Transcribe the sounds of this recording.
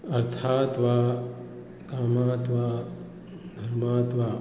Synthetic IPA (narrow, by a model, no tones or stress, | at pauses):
ɐɾt̪ʰaːt̪ʋaː | kaːmaːt̪ʋaː | d̪ʱɐɾmaːt̪ʋaː